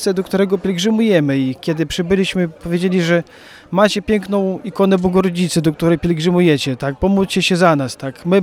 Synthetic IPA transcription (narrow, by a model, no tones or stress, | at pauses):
sɛd̪ɔkt̪uɾɛɡɔpʲjɛlʲɡʐɘmujɛmɘikʲɛd̪ɘpʂɘbɘlʲiɕmɘpɔvjed͡ʑelʲiʐɛ | mat͡ɕɛpʲjɛŋknɔ̃w̃ikɔnɛbwɔɡɔɾɔd͡ʑit̪sɛd̪ɔk̚t̪uɾɛjpʲjɛlʲɡʐɘmujɛt͡ɕɛt̪ak̚pɔmut͡ɕɛɕɛzanast̪akmɘ